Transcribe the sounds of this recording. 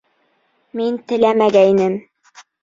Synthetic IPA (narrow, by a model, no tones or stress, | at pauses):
mint̪ɘ̆læmæɡæinɘm